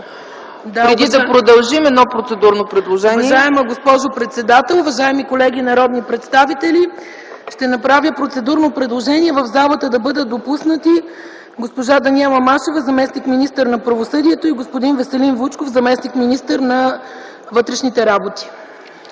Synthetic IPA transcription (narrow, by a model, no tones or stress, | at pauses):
d̪aɾɾɛd̪id̪ɐpɾod̪ɐlˠʒimɛd̪nɔpɾot̪sɛd̪uɾnopɾɛd̪lˠoʒɛnvɐiʒaɛməɡospɔʒopɾɛt̪sɛd̪at̪ɛlˠʊvɐʒaɛmikolɛɡiːnɐɾɔd̪nipɾɛt̪st̪avit̪ɛli | ʃt̪ɛnɐpɾavʲjəpɾot̪sɛd̪uɾnopɾɛd̪lˠoʒɛniɛvɐvzalˠət̪əd̪ɐbɤd̪ət̪̚d̪opusnət̪i | ɡospoʒad̪ɐniɛlˠɐmaʃovəzɐmɛsnikminist̪əɾnɐpɾɐvosɤd̪iɛt̪oiɡospod̪invəsɛlinvut͡ʃkofzɐmɛsnikminist̪əɾnɐ | vɤt̪ɾɛʃnit̪ɛɾabot̪i̥